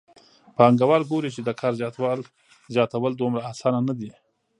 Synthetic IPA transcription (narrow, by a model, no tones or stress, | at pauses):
pɑŋɡawɑɾɡoɾit͡ʃed̪əkʰɑɾzjɑt̪wɑl | zjɑt̪awəld̪omɾaːsɑnanad̪i